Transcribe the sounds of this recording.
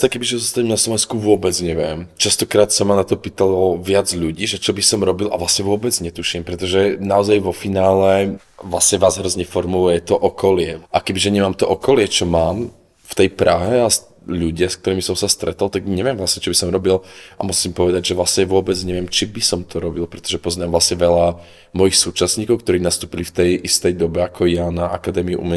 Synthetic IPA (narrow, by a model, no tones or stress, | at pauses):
t̪akɛbiʒɛɔzɔst̪aɲɛmnaslɔʋɛnskuʋʊɔbɛd͡zɲɛʋɪɛmt͡ʃast̪ɔkɾaːt̪sɔmanat̪ɔpiːt̪alɔʋɪad͡zʎuɟiːʒɛt͡ʃɔbisɔmɾɔbilʔa̰ʋlasɲɛʋʊɔbɛd͡zɲɛt̪uʃimpɾɛt̪ɔʒɛnaɔzajʋɔfinaːlɛ | ʋlasɲɛʋaːzɦɾɔzɲɛfɔɾmulujɛt̪ɔʔɔkɔlɪɛʔakɛbiʒɛɲɛmaːmt̪ɔʔɔkɔlɪɛt͡ʃɔmaːm | ft̪ɛjpɾʔaɦɛas | ʎuɟɪaskt̪ɔɾiːmisɔmsast̪ɾɛt̪alt̪aɡɲɛʋɪɛmʋlasɲɛt͡ʃɔbisɔmɾɔbilʔa̰musimpɔʋɛd̪aɟʒɛʋlasɲɛʋʊɔbɛd͡zɲɛʋɪɛmt͡ʃibisɔmt̪ʰɔɾɔbilpɾɛt̪ɔʒɛpɔznaːmʋlasɲɛʋɛla | mɔjixsuːt͡ʃasɲiːkɔʊkt̪ɔɾiːnast̪uːpilift̪ɛjʔist̪ɛjd̪ɔbɛakʰɔjanaʔakad̪ɛːmiuʔṵmɛ